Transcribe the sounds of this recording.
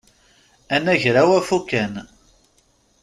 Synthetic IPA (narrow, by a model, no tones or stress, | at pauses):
ænːæʝɾawæfukːæn